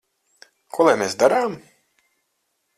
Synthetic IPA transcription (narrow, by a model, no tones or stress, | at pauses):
kʰuɔlˠajmeːsd̪aɾaːm